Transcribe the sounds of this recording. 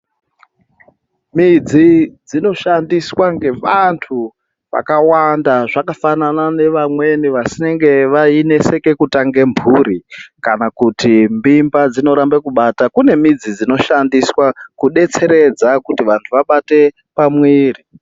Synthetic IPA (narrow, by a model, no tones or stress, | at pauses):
mid͡zid͡zino̞ʃandiswaŋɡe̞ʋantʰu | ʋa̰kawandaʐakafananane̞ʋamwe̞niʋasine̞ŋɡe̞ʋaine̞se̞ke̞kutaŋɡe̞mbʱuɾikanakutimbimbad͡zino̞ɾambekuɓatakune̞mid͡zid͡zino̞ʃandiswakuɗe̞t͡se̞ɾe̞d͡zakutiʋantʰuʋaɓate̞ | pamwiːri